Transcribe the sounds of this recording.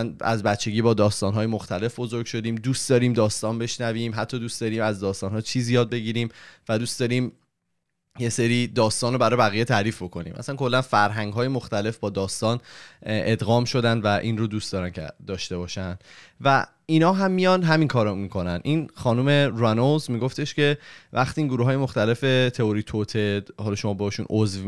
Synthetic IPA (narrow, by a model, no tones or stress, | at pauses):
næ̰zbæt̪t͡ʃʰːe̞ɟiːbɒːd̪ɒːst̪ɒːnɦɒːjemoxt̪æle̞fbo̞zo̞ɾɡ̥ʃo̞d̪iːmd̪uːst̪d̪ɒːɾiːmd̪ɒːst̪ɒːnbe̞ʃnæviːmɦæt̪ʰːɒːd̪uːst̪d̪ɒːɾiːmæzd̪ɒːst̪ɒːnhɒːt͡ʃʰiːzijɒːd̪̚be̞ɟiːɾiːmvæd̪uːst̪d̪ɒːɾiːm | jeseɾiːd̪ɒːst̪ɒːnobæɾɒːjbæɣije̞t̪ʰæɾiːfbo̞kʰo̞nḭːmʔæ̰sænkʰo̞lːænfæɾɦæŋɡɦɒːjemoxt̪æle̞fbɒːd̪ɒːst̪ɒːne̞d̪ɣɒːmʃo̞d̪ænd̪væʔiːnrod̪uːst̪ɒːɾæncʰḛd̪ɒːʃt̪e̞bɒːʃænd̪̥ | væ | inɒːɦæmːijɒnd̪ɦæminkʰɒːɾɔmiːkʰo̞nænʔiːnxɒːnuːme̞ɾænozmiːɡo̞ft̪eʃce̞væxt̪iːiŋɡoɾuɦɒːjemo̞xt̪æle̞fe̞t̪ʰeoɾit̪ʰot̪ʰehɒlɒːʃo̞mɒːbehɒːʃṵːnozv